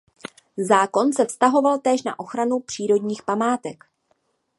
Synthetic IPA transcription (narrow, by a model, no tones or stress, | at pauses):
zaːko̞nsɛfst̪aɦo̞valt̪ɛːʃna̰ʔo̞xɾanupr̥iːɾo̞dɲiːxpamaːt̪ɛk